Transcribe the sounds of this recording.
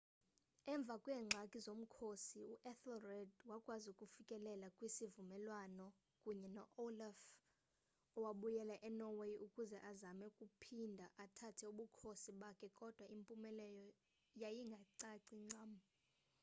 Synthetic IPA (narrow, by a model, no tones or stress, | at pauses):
ɛɱb̪vʱakʼwɛːŋ͡ǁʱakʼizom̩kʰosiuʔɛθɔrɛdwakʼwazukʼufikʼɛlɛlakʼwisivumɛlwanɔ | kʼuɲɛnɔʔolaf | ɔwaɓujɛlaʔɛnɔwejʔukʼuzɛʔazamɛkʼupʰindʱaʔatʰatʰɛuɓukʰosiɓakʰɛkʼɔd̥ʱwaimpʼumɛlɛjɔ | jajiŋɡʱaǀaǀiŋ͡ǀama